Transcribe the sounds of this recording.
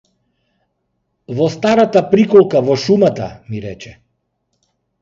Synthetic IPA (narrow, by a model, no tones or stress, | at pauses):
vɔst̪aɾat̪apɾikɔlˠkavɔʃumat̪a̰miɾɛt͡ʃɛ